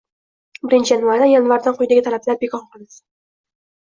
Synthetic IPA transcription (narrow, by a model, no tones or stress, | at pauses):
bɪɾɪnt͡ʃʰɪjanvaɾd̪ajanvaɾd̪anqʰʊjd̪aɡʲɪt̪ʰalablaɾbekʰɒɴqɨlˠɪs